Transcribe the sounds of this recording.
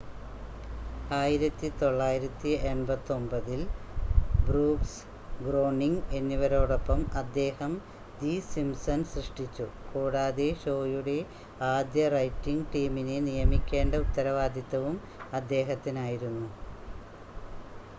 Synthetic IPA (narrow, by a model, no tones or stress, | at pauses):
aːjiɾɐt̪ːit̪o̞ɭːaːjiɾɐt̪ːienbɐt̪ːo̞mbɐðil | bruːks | ɡro̞ːɳiŋɡe̞nːiʋɐɾo̞ːɽopːɐmɐd̪ːe̞ːhɐm | d̪isimsɐnsrɨʂʈit͡ɕːukoːɽaːðeɕo̞ːjuɽe̞ | aːd̪jɐrɐjtːiŋɡʈiːminenijɐmikʲːe̞ːɳɖɐut̪ːɐɾɐʋaːd̪ʱjɐt̪ːɐʋum | ɐd̪ːe̞ːɦɐt̪ːinaːjiɾunːu